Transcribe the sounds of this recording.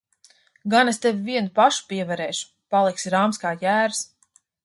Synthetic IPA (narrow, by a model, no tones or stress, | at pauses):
ɡanest̪evʲiviɛnupaʃu̥piɛvaɾɛːʃu̥ | palˠiksiɾaːmskaːjæːɾs